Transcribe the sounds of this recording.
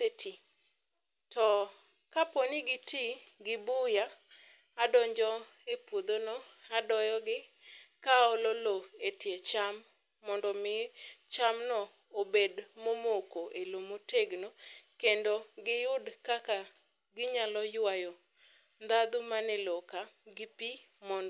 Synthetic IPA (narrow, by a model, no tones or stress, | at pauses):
etʰi | tɔ | kaponiɡɪtʰiɡɪbʊjaː | dɔɲd͡ʒɔ | epwod̪onɔadɔjɔɡɪ | kaɔlɔloetjet͡ʃamː | ɔndɔmɪt͡ʃamnɔ | obedmomokoʔelomoteɡnokendoɡɪjʊdkaka | ɡɪɲalɔjwajɔ | nd̪ad̪ʊmanɛlɔkaɡɪpi | mɔnd